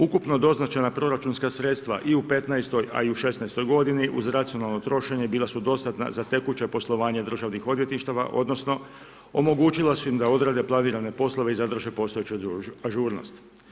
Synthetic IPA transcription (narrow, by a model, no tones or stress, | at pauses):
ukupno̞d̪o̞znat͡ʃanapɾo̞ɾat͡ʃunskasɾe̞t̪st̪ʋa̰ʔiupe̞t̪najst̪o̞ja̰iuʃe̞snajst̪o̞jɡo̞d̪iniʔuzɾat̪sionalˠno̞t̪ɾo̞ʃe̞ɲe̞biːlˠasud̪o̞st̪at̪na̰zat̪e̞kut͡ɕe̞po̞slˠo̞ʋaːɲe̞d̪r̩ʒaʋnixo̞d̪ʋje̞t̪niʃt̪aʋa̰ʔo̞̰d̪no̞sno̞ | omo̞ɡuːt͡ʃilasuimd̪ao̞d̪ɾaːd̪e̞plˠaniːɾane̞po̞slˠo̞ʋeizad̪r̩ʒepo̞st̪oet͡ɕuaʒuːɾno̞̰st̪